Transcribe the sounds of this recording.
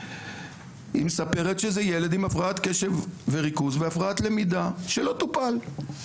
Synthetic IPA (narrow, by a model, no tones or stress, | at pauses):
imesape̞ʁet̪ʃezejele̞d̪imafʁaat̪ke̞ʃe̞vve̞ʁikuzveafʁaat̪le̞mid̪aʃelo̞t̪upal